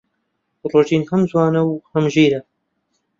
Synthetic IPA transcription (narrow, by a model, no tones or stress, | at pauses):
roːt̪ʰiːnhɐmzwɑːnɐwhɐmʒiːɾɐ